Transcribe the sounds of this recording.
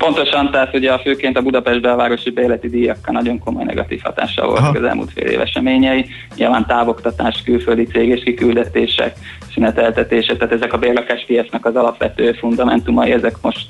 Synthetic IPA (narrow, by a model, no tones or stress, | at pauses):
po̞nt̪o̞ʃɒnt̪aːt̪uɟɛɒføːkeːnt̪ɒbud̪ɒpɛʒd̪̚bɛɒvaːɾo̞ʃibɛlɛt̪id̪ijɒkːɒnɒɟo̞ŋko̞mo̞̰jnɛ̰ɡɒ̰t̪iːfhɒ̰t̪a̰ːʃːɒ̰vo̰lt̪ɒkɒzɛ̰lmṵlt̪fḛːlḛːvɛ̰ʃɛmeːɲɛi | ɲilvaːnt̪aːvo̞kt̪ɒt̪aːʃkylføld̪it̪seːɡeːʃkikyld̪ɛt̪eːʃɛ̰k | synɛt̪ɛlt̪ɛt̪eːʃɛk̚t̪aːt̪ɛzɛkɒbeːrlɒkaːʃpijɛsnɛkɒzɒlɒpʋɛt̪øːfund̪ɒmɛ̰nt̪umɒjiɛzɛkmo̞ʃt̪